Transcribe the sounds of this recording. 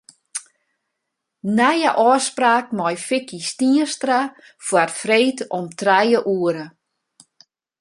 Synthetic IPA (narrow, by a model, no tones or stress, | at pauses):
najəʔɔːspraːk̚mɔjfɪkʰistiəstra | fwarfreːtɔmtrɛjəʔuəɾə